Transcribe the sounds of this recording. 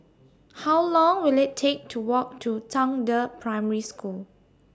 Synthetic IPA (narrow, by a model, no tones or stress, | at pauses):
hawlɔ̃ŋwilɪtʰːek̚tʰuwɔk̚tʰutʰãŋdəpʰɹaɪməɹiskul